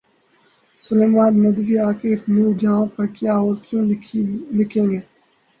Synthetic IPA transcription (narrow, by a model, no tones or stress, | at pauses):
səleːmaːnːəd̪ʋiːaːkeːt̪nũːd͡ʒãːpəɾkɪjaːɦoːɾt͡ʃũːlɪkʰẽːŋɡeː